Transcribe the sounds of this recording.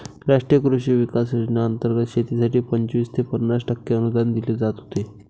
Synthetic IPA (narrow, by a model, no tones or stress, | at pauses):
ɾaʂʈɾijəkɾuʂiːʋikas̬jud͡ʑnaənt̪əɾɡət̪ɕʰet̪isaʈiːpəɲt͡ɕʋist̪ʰepənːasʈəkːeənud̪and̪iled͡zat̪ɦot̪e